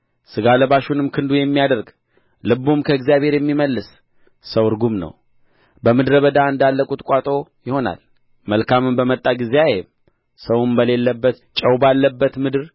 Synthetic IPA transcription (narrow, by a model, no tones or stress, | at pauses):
sɨɡaləβaʃunɨmkʰɨnd̪ujɛmːijad̪əɾɡ | lɨbumkʰəɨɡzjaβhe̞ɾjɛmːiməlːɨs | səwɨɾɡumnə̰w | bəmɨd̪ɾəβəd̪aɨnd̪alːəkʼut̪kʷʼat̪ʼojɪho̞na̰l | məlkʰamɨmbəmət̪ʼːaɡizeajɛm | səwumbəle̞lːəbːət̪t͡ʃʼəwbalːəbːət̪mɨd̪ɨɾ